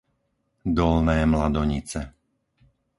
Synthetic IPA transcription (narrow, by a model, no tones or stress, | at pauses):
d̪ɔlnɛːmlad̪ɔɲit͡sɛ